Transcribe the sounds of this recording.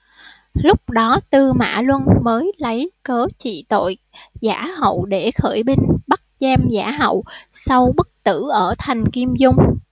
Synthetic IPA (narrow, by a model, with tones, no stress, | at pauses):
lʊ˦˥k͡p̚ɗɔ˨˦t̪ɨ˧ma̰ː˧˩˨lwə˧nməː˨˦jlə˨˦jkəː˨˦t͡ɕḭ˧˨t̪o̰˧˨jza̰ː˧˥hə̰˧˨wɗe˧˩xəː˧˩jɓi˧ŋɓa˦˥t̚zɛ˧mzaː˧˩ɦə̰˧˨wsa˧wɓɨ˦˥k̚t̪ɨ˧˩ʔəː˧˩t̪ʰa˨˩jŋ̟ki˧əmzʊ˧ŋ͡m